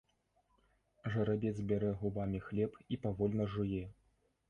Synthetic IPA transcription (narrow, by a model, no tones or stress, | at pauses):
ʐɐɾabʲɛd̪zbʲaɾɛɣubamʲixlʲɛpipavɔlʲnɐʐɨjɛ